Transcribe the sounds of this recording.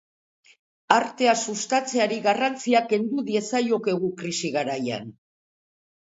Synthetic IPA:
aɾt̪e̞asust̪at͡se̞aɾiɣarant͡siake̞nd̪uðie̞sajo̞ke̞ɣ̞ukɾisiɣaɾaja̰n

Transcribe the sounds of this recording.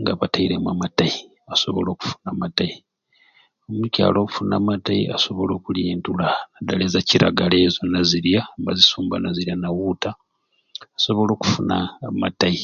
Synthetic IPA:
ŋɡaβataiɾe̞mwa̰mataji | aso̞βo̞̰lo̞ːku̥fu̥namatai | omuca̰ːlo̞ːku̥funaːmatajiaso̞βo̞lo̞ːkuliːntulanadalezaciɾʔa̰ɡale̞ːzonaziɾjambazisuːmbanaziɾjanawutaː | so̞βo̞lo̞ːku̥funa̰matai

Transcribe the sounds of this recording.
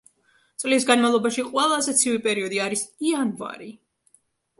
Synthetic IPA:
t̪sʼlis̬ɡanmavlˠɔbaʃiqʼwɛlˠazɛt̪sʰivipʼɛɾiɔd̪iaɾisianva̰ɾi

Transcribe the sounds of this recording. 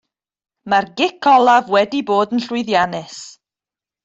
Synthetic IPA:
marɡɪkʰɔlˠavwɛdiboːdənɬʊɨðjanɪs

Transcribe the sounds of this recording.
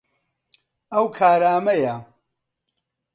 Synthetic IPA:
ɐwkʰaːɾaːmɐjɐ

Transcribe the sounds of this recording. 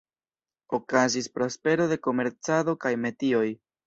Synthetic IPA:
o̞kazispɾo̞spe̞ɾo̞de̞ko̞me̞ɾt͡sado̞kajme̞tio̞j

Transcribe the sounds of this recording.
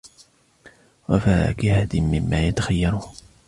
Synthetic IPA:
wafakɪhad̪ɪnmɪmːaːjat̪axajːɑɾˤʊ

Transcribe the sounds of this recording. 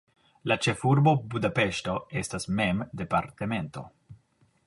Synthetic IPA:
lat͡ʃe̞fuɾbo̞bud̪ape̞ʃto̞e̞stasme̞md̪e̞paɾt̪eme̞nt̪o̞̰

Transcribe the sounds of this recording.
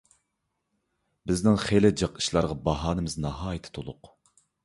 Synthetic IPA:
bɪznɪŋχelɪd͡ʒəqɨ̥ʃlˠɑɾʁɑbɑɦɑːnɨmɪznɑɦɑːjit̪ʰɪ̥t̪ʰolˠʊq

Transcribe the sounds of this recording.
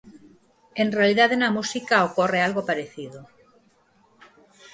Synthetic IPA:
e̞nrealiðaðenamusikaokorealɣopaɾeθiðo

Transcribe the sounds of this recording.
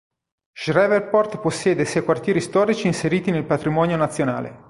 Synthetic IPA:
ʃrɛverpɔrt̪posːjɛːd̪esɛjkwart̪jɛːɾist̪ɔːɾit͡ʃiːnseɾiːt̪inelpat̪ɾimɔːnjonat̪sːjona̰ːlḛ

